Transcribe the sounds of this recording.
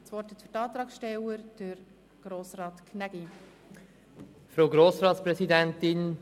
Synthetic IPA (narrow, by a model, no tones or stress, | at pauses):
sʋɔrtɛt̪fyɾtɑːt̪ɾɑːksʃtɛwəɾd̥əɾ | ɡ̥ɾoːsrɑːtkʰnæɡi | fɾoːɡɾoːsɾɑːtspɾɛsidɛntɪn